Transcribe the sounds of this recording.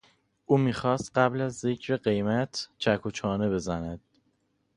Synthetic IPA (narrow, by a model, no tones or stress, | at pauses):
ʔuːmiːxɒːst̪ɢæblæzːe̞cʰɾeɢe̞jmæt̪ʰt͡ʃʰækʰot͡ʃʰɒːne̞be̞zænæd̪̥̚